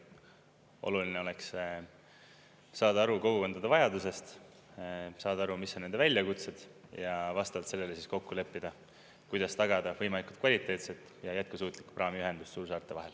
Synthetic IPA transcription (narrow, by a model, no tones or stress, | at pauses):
ʔo̞̰luline̞o̞le̞ks | sɑːd̪ɑɑɾukoɡuko̞nd̪̥ɑd̪̥evɑjɑd̪use̞st̪ | sɑːd̪ɑɑɾumisonend̪evælʲjɑkut̪se̞d̪̥jɑvɑst̪ɑvɑlt̪se̞lːe̞le̞sisko̞kːule̞pːid̪̥ɑ | kujd̪̥ɑst̪ɑɡ̥ɑd̪̥ɑvɤjmɑliku̥t̪̚kvɑlʲit̪ːˑe̞ːt̪set̪ːˑ | jɑjæt̪̚kusuːt̪ˑlikpʔɑːmiyɦe̞nd̪̥ust̪suːɾsɑːrt̪ːˑe̞vɑɦe̞l